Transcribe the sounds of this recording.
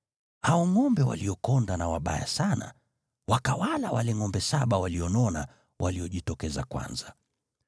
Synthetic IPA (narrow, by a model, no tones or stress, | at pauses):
haɔŋɔmbɛwa̰liɔkɔndanawaɓa̰ja̰sana̰ | wakawalawalɛŋɔmbɛsaɓawaliɔnɔna | wʔaliɔʄitɔkɛza̰kwa̰nza